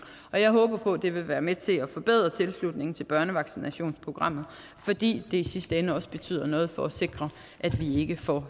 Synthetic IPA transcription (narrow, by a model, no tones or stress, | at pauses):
ʔɒ̽jɑ̈ɪɦɔːb̥ɐpʰɔ̽d̥e̝ʋe̝ʋæːɐmet͡sʰe̝æfɒ̽b̥e̝ð̰ˠʁɐt͡sʰe̝lslud̥̚ne̝ŋn̩t͡sʰe̝lb̥ɶɐnəʋɑ̈ɡ̥sinæɕo̝̰ːnspʰʁo̝ɡ̥ʁɑ̈m̰ð̞̩ˠ | fɒ̽d̥ḭːd̥e̝isisd̥əenəɒ̽sb̥e̝t͡sʰy̰ð̰ˠɐnɔ̽ːð̩ˠfɒ̽æse̝ɡ̥ʁɐ | ʔæd̥ʋie̝ɡ̥əfɒ